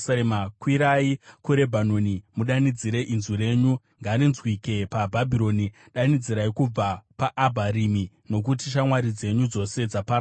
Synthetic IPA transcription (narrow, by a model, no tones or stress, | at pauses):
makwiɾaikuɾe̞bʱano̞nimuɗanid͡ziɾe̞ʔinzure̞ːɲu | ŋɡaːɾinzwike̞pabʱabʱiɾo̞ni | ɗanid͡ziɾaikub͡vapaʔːbʱaɾimi | no̞k̬utiʃ̬amwaɾid͡ze̞ɲud͡zo̞se̞d͡zapaɾ